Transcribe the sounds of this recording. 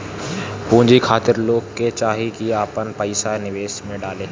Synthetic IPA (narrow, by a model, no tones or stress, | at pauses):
pũɦɪ̃ɲd͡ʑikʰaːt̪ɪɾloːkːet͡ʃaːɦikiaːpənpəɪsanɪʋeːsmẽɖaːleː